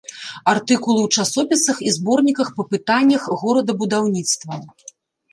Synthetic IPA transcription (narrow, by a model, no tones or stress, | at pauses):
art̪ɨkulˠɨwt͡ʂasɔpʲisɐxizbɔrnʲikɐxpɐpɨt̪anʲːɐxɣɔɾɐd̪ɐbud̪awnʲit̪st̪vɐ